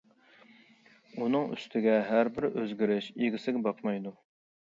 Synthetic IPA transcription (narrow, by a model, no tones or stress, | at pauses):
unɨŋy̰st̪ʰɪɡʲɛɦæɾbɪɾøzɡʲiɾɪʃeɡʲɪsɪɡʲɛbɑqmɑjd̪u